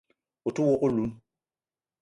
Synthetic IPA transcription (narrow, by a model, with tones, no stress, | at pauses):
o˨tu˦wɔ˦ko˦lu˨˦n